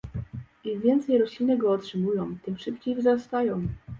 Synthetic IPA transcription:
ivʲjɛnt̪sɛjɾɔɕlʲinɘɡɔːtʂɘmujɔ̃w̃t̪ɘmʂɘpt͡ɕejvzɾast̪ajɔ̃w̃

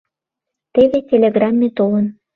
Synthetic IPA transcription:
t̪eβetʲelʲeɡrɑmːet̪olə̆n

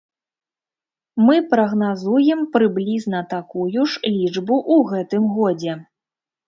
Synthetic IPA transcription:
mɨpɾɐɣnazujɛmpɾɨblʲiznɐt̪akujuʂlʲid͡ʐbuʔuɣɛt̪ɨmɣɔd͡zʲɛ

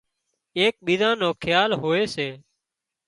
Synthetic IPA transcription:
eːk̚ɓiːzãːnoːkʰjaːlɦoːeːseː

